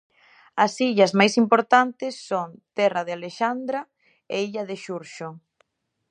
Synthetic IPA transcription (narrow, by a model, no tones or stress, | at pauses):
ɐsiʎɐzmajsimpoɾt̪ant̪ɪsːont̪ɛraðealeʃand̪ɾa | eiʎaðeʃuɾʃo